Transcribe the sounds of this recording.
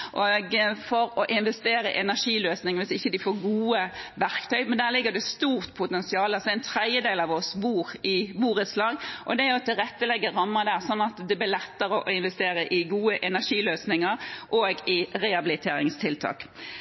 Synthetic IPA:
ʔoːɡfɔɾɔʔɪnʋɛst̪eːɾəɪ̰ʔɛnæʂiːløːsnɪŋəʋɪsɪçːəd̪ɪfoːɾɡuːəʋæɾkt̪ʰœʏmɛnd̪æːlɪɡːəd̪ɛst̪uːʁt̪pʰʊt̪ɛnsɪɑːləɑsɔd̪ɛɪnt̪ʰɾɛɪjəd̪eːlɑʋɔsbuːʁɪbuːɾət̪slɑːɡʔɔd̪ɛæɾjʊt̪ɪlɾɛt̪ːəlɛɡːəɾɑmːəd̪æːʁsɔnːɑt̪d̪ɛblɪlɛt̪ːəɾɔʔɔɪnʋɛst̪eːɾəʔɪɡuːəʔɛnæʂiːløːsnɪŋəɾʔoɡɪɾɛɑbɪlɪt̪ʰeːɾɪ̰ŋst̪ʰɪlt̪ʰɑ̰ːk

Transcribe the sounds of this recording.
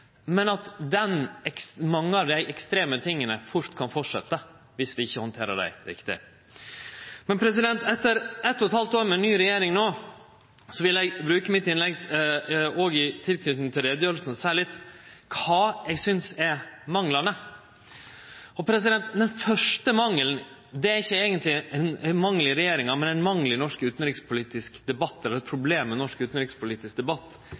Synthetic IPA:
mɛnɑt̪d̪ɛnɛksmɑŋːəɑʋd̪æɪʔɛkst̪ɾeːmət̪ʰɪŋːənəfʊɾt̪kʰɑnfɔʈʂɛ̰t̪ːə | ʋɪsʋɪɪçːəhɔnt̪ʰeːɾə̰ɖæ̰ɪɾɪ̰kt̪ɪ̰ | mɛnpʰɾɛs̬ɪd̪ɛnt̪ɛt̪ːəɾɛt̪ːɔt̪hɑlt̪oːɾmɛnyːɾɛjeːɾɪŋnoː | sɔʋɪlæɪɡbɾʉːkəmɪt̪ːɪnlɛɡ | oːɡɪt̪ʰɪlt̪ʰyːt̪nt̪ʰɪlɾɛːd̪jøːɾl̩sn̩ɔsæːɾɭɪt̪ːkʰɑːɛɡsʏnsɛɾmɑŋlɑnə | ɔpʰɾɛs̬ɪd̪ɛnt̪d̪ɛnfœʂʈəmɑŋːəln | d̪ɛæɾɪçːəɛɡənt̪lɪɛnɛmɑŋlɪɾɛjeːɾɪŋɑɾmɛnɛnmɑŋlɪnɔʂkʉːt̪n̩ɾɪkspʰʊliːt̪ɪskd̪ɛbɑt̪ːɛlɾɛt̪̚pʰɾʊbleːmːɛnɔʂkʉːt̪n̩ɾɪkspʊliːt̪ɪsk̚d̪ɛbɑt̪ː

